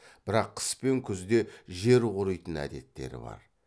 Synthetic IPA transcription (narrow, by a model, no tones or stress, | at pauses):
b̥ɪɾɑqʰːə̥spe̞ŋkʲʰʏzd̪e̞ʒe̞ɾqʊɾəjt̪ənæ̰d̪e̞t̪ːe̞̰ɾɪ̰bɑ̰ɾ